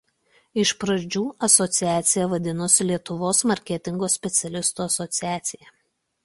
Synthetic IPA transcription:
ɪʃpɾɐd͡ʒʲuːɐsɔt̪sʲɪæːt̪sʲɪjɛʋɐd̪ʲɪnʊsʲɪlʲiɛt̪ʊʋoːsmɐɾʲkʲɛt̪ʲɪŋɡoːsʲpʲɛt̪sʲɛlʲɪst̪uːɐsɔt̪sʲɪjæːt̪sʲɪjɛ

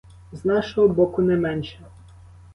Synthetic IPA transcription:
znaʂɛɔbɔkunɛmɛnʲt͡ɕa

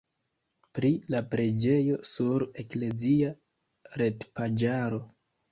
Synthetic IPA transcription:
pɾilapɾe̞d͡ʒe̞jo̞suɾe̞kle̞zia | ɾe̞tpad͡ʒaɾo̞

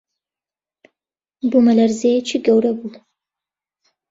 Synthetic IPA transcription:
bumɐlɐɾzejɛt͡ʃiɡɐwɾɐbu

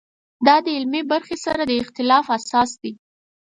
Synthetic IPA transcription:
d̪ɑd̪əɪlmebaɾxesaɾad̪əɪxt̪ɪlɑfasɑsd̪i

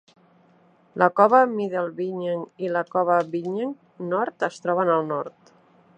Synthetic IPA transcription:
ləkɔβəmiðelˠβiɲeŋiləkɔβəβiɲeŋ | nɔɾt̪əst̪ɾɔβənəlˠnɔɾt̪

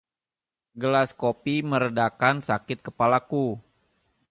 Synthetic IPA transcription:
ɡəlaskopiməɾədakansakɪt̪̚kəpalaku

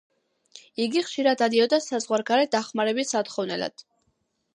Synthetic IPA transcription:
iɡiχʃiɾad̪ad̪iɔd̪asazʁwaɾɡaɾɛd̪aχmaɾɛbisat̪χɔvnɛla̰d̪̥

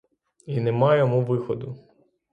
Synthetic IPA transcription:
inɛmɑjɔmuʋɪxɔd̪ʊ

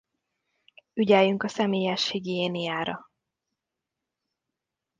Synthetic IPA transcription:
yɟɛːjyŋkɒsɛmeːjɛʃhiɡeːnijaːɾɒ

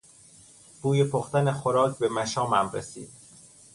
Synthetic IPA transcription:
b̥uːjepʰoxt̪æneχoɾɒːcʰbe̞mæʃɒːmæmɾesḭːd̪̥̚

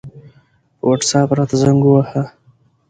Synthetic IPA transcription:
pəwaʈsɑpɾɑt̪azaŋɡuwaha

